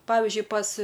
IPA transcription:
ˈpɑːʋʲɪzʲd͡ʒʲʊɪ pɐs

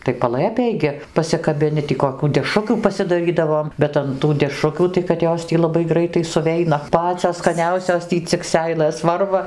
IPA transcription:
tɐɪ pɐˈlˠɘpʲeːj ɡʲɪ pɐsʲɪkɐbʲɪˈnʲɪ tʲiː koːˈkʲuː dʲɛˈʃrʊkʲuː pɐsʲɪdɐˈrʲiːdɐʋoːm ˈbʲɛt ɐn tuː dʲɛˈʃrʊkʲuː tɐɪ kɐt ˈjoːs tʲiː lˠɐˈbɐɪ ˈɡrɐɪtɐɪ sʊˈʋʲɛɪnɐ ˈpɑːt͡sʲoːs skɐˈnʲɛʊsʲoːs ˈtʲiː t͡sʲɪk ˈsʲɛɪlˠɘs ˈʋɐrʋɐ

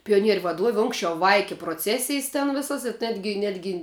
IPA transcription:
pʲɪjoːˈnʲiɛrʲʊ ʋɐˈduɔʋʲɪ ˈʊŋksʲt͡ʃʲɛʊ ˈʋɐɪkʲɪ proːˈt͡sʲæːsʲɪjs tʲɛn ˈʋʲɪsɐs ɪ ˈnʲæːdʲɡʲɪ ˈnʲæːdʲɡʲɪ

